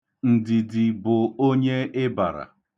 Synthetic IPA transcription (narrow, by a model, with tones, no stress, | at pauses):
n̩˨dɪ˨dɪ˨bʊ˨o˦ɲe˦ɪ˦ba̰˨ɾa̰˨